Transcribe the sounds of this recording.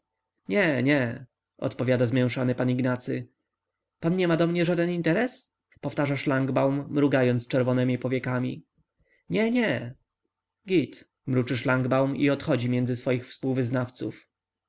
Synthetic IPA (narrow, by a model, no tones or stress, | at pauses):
ɲɛɲɛ | ɔ̰t̪pɔvʲjad̪azmʲjɛ̃w̃ʂanɘpaniɡnat̪sɘ̰ | panɲɛmad̪ɔmɲɛʐad̪ɛnint̪ɛɾɛs | pɔft̪aʐaʂlaŋɡbawmːɾuɡajɔnt̪st͡ʂɛɾvɔnɛmʲipɔvʲjɛkamʲḭ | ɲɛɲɛ | ɡʲit̪ | mɾut͡ʂɘʂlaŋɡbawmḭɔt̪xɔd͡ʑimʲjɛnd̪zɘsfɔjixfspuwvɘznaft̪sṵf